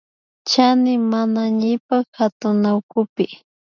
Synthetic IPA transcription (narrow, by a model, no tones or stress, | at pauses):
t͡ʃanɪmanaɲɪpakhat̪ʊnawkʊpɪ